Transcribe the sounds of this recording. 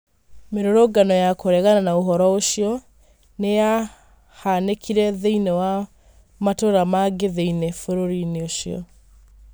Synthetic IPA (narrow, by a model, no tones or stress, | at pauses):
meɾoɾoɡanɔjakoɾɛɣananaoɦɔɾɔoɕijɔ | neja | hanekʰiɾɛðeinewa | matoɾamaɡeðeinefoɾoɾineoɕiɔ̰